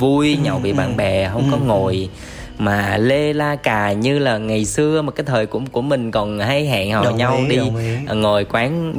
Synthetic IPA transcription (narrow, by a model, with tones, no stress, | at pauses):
vu˧jɲa˨˩wvḭ˧˨ɓa̰ː˧˨nɓɛ˨˩ɦə˧wŋ͡mkɔ˨˦ŋo˨˩j | maː˨˩le˧laː˧kaː˨˩ɲɨ˧laː˨˩ŋa˨˩jsɨ˧əma˨˩kaː˨˦jt̪ʰəː˨˩jku˧˩əku˧˩əmï˨˩ŋ̟kɔ˨˩nɦa˧jɦa̰ː˧˨ŋhɔ˨˩ɲa˧wɗi˧˨ŋo˨˩jkwaː˨˦n